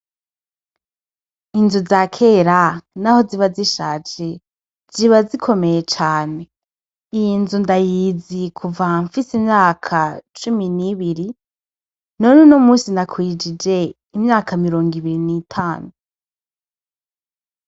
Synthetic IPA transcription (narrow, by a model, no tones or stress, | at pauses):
inzuzakʰe̞ːɾanaho̞ziβaziʃaːt͡ʃe | z̥iβazikʰo̞me̞jet͡ʃaːne̞ | ijinzundajiːzikʰuvaɱfisimɲaːkʰat͡ʃuminiβiɾi | nonunomuːsinakʰwid͡ʒid͡ʒe̞ | imɲaːkamiɾo̞ːŋɡiβiɾiniːtʰaːnu